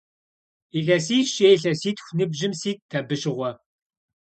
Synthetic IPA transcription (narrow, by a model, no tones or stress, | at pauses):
iɮɐsiːɕeːɬɐsiːtxʷnɨbʑɪmsiːttʰːɐbɨʃɪʁʷɔ